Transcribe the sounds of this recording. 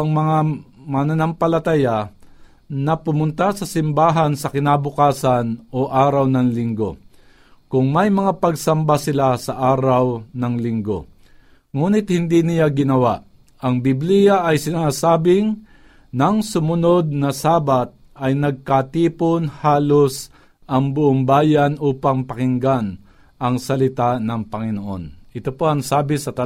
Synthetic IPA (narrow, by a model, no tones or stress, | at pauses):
ɐŋmɐŋamɐnɐnɐmpɐlɐt̪aja | nɐpʊmʊnt̪asɐsɪmbaːɦansɐkɪnaːbʊkaːsanoʔaːɾɐwnɐŋlɪŋɡo̞ | kʊŋmɐjmɐŋapɐɡsɐmbasɪlasɐʔaːɾɐwnɐŋlɪŋɡo̞̰ | ŋuːnɪt̪̚hɪnd̪inɪjaɡɪnɐwaʔ | ʔɐŋbiblijaʔːjsɪnaːsaːbɪŋ | nɐŋsʊmʊno̞d̪̚nɐsaːbat̪̚ | ɐjnɐɡ̚kat̪iːponhaːlos | ʔɐŋbʊʔoŋbaːjanʔuːpaŋpɐkɪŋɡan | ʔɐŋsɐlɪt̪anɐŋpɐŋɪnoʔo̞̰nʔɪt̪opoɐŋsaːbɪsɐt̪ɐ